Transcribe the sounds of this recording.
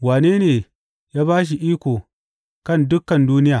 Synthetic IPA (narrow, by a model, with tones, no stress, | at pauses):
waː˨neː˦neː˨ | jaː˦baː˦ʃ̬i˨ʔiː˦kʷo˨ | kɐ˦˨ndʊ˦kːɐ˨nduː˦nɪ˦jaː˨